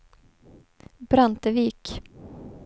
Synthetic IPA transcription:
bɾant̪əviːk

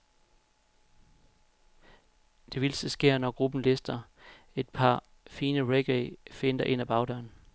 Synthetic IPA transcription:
d̥e̝ʋilsəsɡ̥e̝ɐ̰nɒɡ̥ʁub̥n̩lesd̥ɐ | e̝d̥̚pʰɑ̈ | fiːnəʁeɡ̥ɛɪfe̝nd̥ɐʔe̝n̰æb̥ɑ̈ʊdœɐn

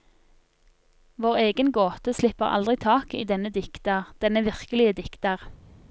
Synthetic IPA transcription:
ʋoːʁeːɡənɡoːt̪əslɪpəʁɑ̰ld̪ʁɪt̪ʰɑːkḭːd̪ɛnəd̪ɪkt̪əʁd̪̥ɛnəʋɪʁkəlɪəd̪ɪkt̪ɑʁ

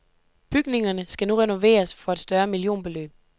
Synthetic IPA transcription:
b̥yɡ̥ne̝ŋɐnəsɡ̥ænuʁɛno̝ʋe̝̰ːɐsfɒ̽ed̥sd̥ɶɐmilijo̝̰ːnb̥e̝lø̰ːb̥

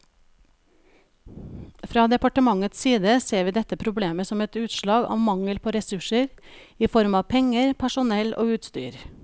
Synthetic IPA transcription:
fɾɑːd̪ɛpɑʈəmɑŋət̪ssiːd̪əseːʋiːd̪ɛt̪əpʰɾʊbleːməsɔmɛt̪ʉːt̪ʃlɑːɡɑ̰ːʋmɑŋəlpʰoːɾɛsʉʃəɾ | iːfɔɾmɑːʋpʰɛŋəɾpʰæʃʊnɛlʔo̰ːʉːt̪st̪y̰ːɾ

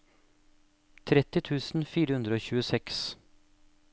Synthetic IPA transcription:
t̪ʰɾɛt̪ɪt̪ʰʉːsn̩fiːɾəhʉnd̪ɾəoːçʉːəsɛks

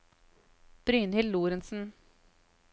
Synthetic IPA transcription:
b̥ɾyːnhɪlːuːɾənsn̩

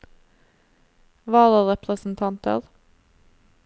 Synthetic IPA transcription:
ʋɑːləʁɛpɾəsn̩t̪ʰɑnt̪ə̰ʁ

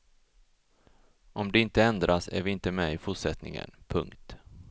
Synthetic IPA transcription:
ʔɔmd̪ɛɪnt̪əɛnd̪ɾʔasæ̰ɾvɪɪnt̪əmɛɪfʊʈʂɛt̪nɪ̰ŋə̰npʰɵ̰ŋkt̪

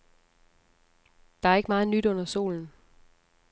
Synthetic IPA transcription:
d̥ɑ̈æɐe̝ɡ̥əmɑ̈ːð̞̩ˠnyd̥ɔ̽n̰ɐso̝̰ːln̩

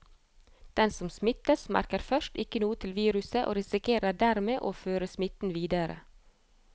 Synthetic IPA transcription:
d̪̥ɛnsɔmsmɪt̪əsmæ̰ɾkəɾfœʃtɪkənuːət̪ʰɪlʋiːɾʉsəʔo̰ːɾɪsɪkʰeːɾəɖæɾmeːʔoːføːɾəsmɪt̪n̩ʋiːd̪əɾə̰

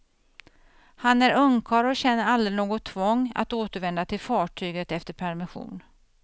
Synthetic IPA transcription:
hanæɾɵŋkʰɑːɾɔɕɛnːəɾald̪ɾɪnoːɡɔt̪ʰːvɔŋːa̰t̪oːt̪əɾvɛnd̪at̪ʰɪlfɑːʈʰyːɡət̪ɛft̪əɾpʰæɾmɪɧṵːn

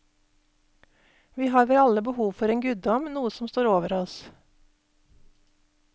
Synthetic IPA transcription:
ʋiːhɑːɾʋeːɑləbəhuːʋfɔɾeːŋɡʉd̪̚d̪ɔmnuːəsɔmst̪oːɾoːʋəɾɔs

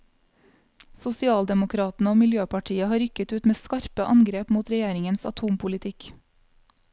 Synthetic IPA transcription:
sʊsɪɑːld̪ɛmʊkʰɾɑːt̪n̩əoːmɪljøːpɑʈʰiːəhɑːɾʏkət̪ʉːt̪meːskɑɾpəʔɑŋɡɾeːpmuːt̪ɾɛjeːɾɪŋənsɑ̰t̪ʰuːmpʰʊlɪt̪ʰɪk

